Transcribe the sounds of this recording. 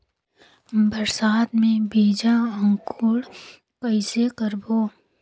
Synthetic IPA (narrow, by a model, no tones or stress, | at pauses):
bəɾsaːt̪mẽbiːd͡ʒaə̃ŋkuːɽ | kəɪsekəɾboː